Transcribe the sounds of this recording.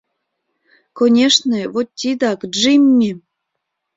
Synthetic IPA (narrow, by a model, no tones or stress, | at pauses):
konʲeʂnɤvot̪ʲːid̪ɑkʐimʲːi